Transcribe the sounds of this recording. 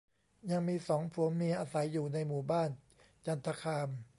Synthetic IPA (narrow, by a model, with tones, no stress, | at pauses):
ja˧ŋmiː˧sɔː˩˦ŋpʰu˩˦ŋmi˧ɐʔaː˧sa˩˦jːuː˨˩na˧jmuː˨˩baː˥˩n | t͡ɕa˧nt̪ʰa˧kʰaː˧m